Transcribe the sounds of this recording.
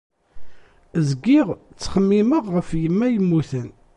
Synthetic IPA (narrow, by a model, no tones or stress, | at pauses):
zəɡːɪʁt͡sːχəmːiməʁʁəfjəmːæjəmːuθən